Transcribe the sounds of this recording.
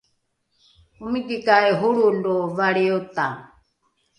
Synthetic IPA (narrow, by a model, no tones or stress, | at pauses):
umikikaɛɦuɺuldɔvaɺiut̪a